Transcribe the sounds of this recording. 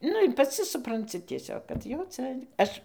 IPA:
ˈnʊ ɪr pɐˈt͡sʲɪ sʊprɐnʲˈt͡sʲɪ tʲiɛˈsʲoːk kɐt jɛʊ ˈt͡sɐ ˈɐʃ

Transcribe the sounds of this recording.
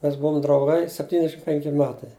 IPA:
mʲɛs ˈbuɔm drɐʊˈɡɐɪ sʲɛpʲˈtʲiːnʲɛʃʲɪm ˈpʲɛŋʲkʲɪ ˈmʲæːtɐɪ

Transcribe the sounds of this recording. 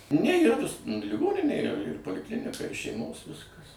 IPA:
nʲɛ iːˈrɐ nʊs lʲɪˈɡoːnʲɪnʲeː ɪr ɪr poːlʲɪˈklʲɪnʲɪkɐ ɪr ʃʲɛɪˈmoːs ˈʋʲɪskɐs

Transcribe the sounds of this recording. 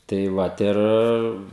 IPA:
tɐɪ ˈʋɐt ˈɪr

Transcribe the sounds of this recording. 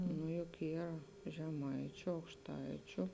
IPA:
nʊ jʊk ˈiːr ʒʲɛˈmɐɪt͡ʃʲʊ ɐʊkʃˈtɐɪt͡ʃʲʊ

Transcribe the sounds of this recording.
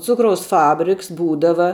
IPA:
ˈt͡sʊkrɐʊs ˈfɑːbʲrʲɪks ˈbuːdɐʋɐ

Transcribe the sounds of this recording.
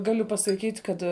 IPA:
ˈɡɑːlʲʊ pɐsɐˈkʲiːtʲ ˈkɐt

